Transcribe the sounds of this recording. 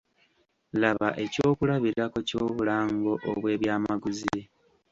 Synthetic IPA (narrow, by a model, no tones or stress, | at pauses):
laβaʔe̞co̞ːkulaβiɾako̞co̞ːβulaːŋɡo̞ʔoβwe̞ːβjaːmaɡuzi